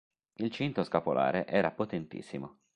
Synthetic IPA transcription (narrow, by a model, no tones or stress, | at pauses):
ilt͡ʃint̪oskapo̰lʔa̰ːɾeʔɛːɾapot̪ent̪ḭsːimo